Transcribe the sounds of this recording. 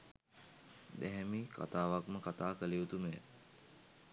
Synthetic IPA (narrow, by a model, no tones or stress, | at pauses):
d̪ɛɦɛmikʰa̰t̪aːʋakməkat̪aːkəleut̪umḛ